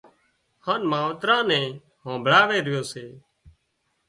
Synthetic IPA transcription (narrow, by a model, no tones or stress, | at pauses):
hãːnmaːʋt̪ɾãːnɛ̃ː | ɦõːbʱɽaːʋeːɾɪjoːseː